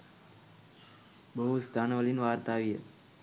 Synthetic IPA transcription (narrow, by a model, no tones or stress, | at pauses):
bəɦust̪ʰanʋəlinʋaɾt̪aʋiḛ